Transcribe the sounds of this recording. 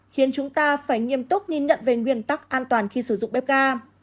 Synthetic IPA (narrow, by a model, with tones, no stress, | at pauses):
xi˨˦ənt͡ɕʊ˨˦ŋ͡mt̪aː˧faː˧˩jŋi˧˩əmt̪ʊ˦˥k͡p̚ɲi˧ɲə̰˧˨nve˨˩ŋwi˧˩ənt̪a˦˥k̚ʔaː˧nt̪waː˨˩nxi˧sɨ˧˩zʊ̰˧˨ŋ͡mɓɛ˦˥p̚ɣaː˧